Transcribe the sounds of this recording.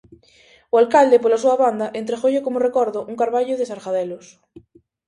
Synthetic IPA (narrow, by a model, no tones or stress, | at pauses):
oalkald̪epolasuaβand̪aʔent̪ɾexoʎekomorekɔɾðoʔuŋkaɾβaʎoðesaɾxaðɛlos